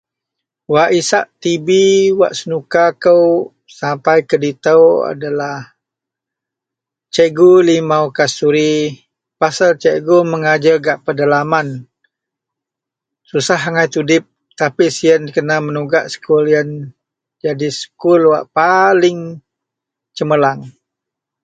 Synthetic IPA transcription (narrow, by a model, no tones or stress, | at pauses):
waʔisaʔt̪ibiwa̰ʔsənukakəw | sampajkədit̪əwa̰dalah | t͡ʃeɡulimawkasuɾi | pasalt͡ʃɛɡuməŋad͡ʒəɡaʔpərdalaman | susaɦaŋajt̪udɪp̚ | t̪apisiənkənamənuɡaʔsə̥kuljən | d͡ʒadisə̥kʊlwa̰ʔpalɪŋ | t͡ʃəməlaŋ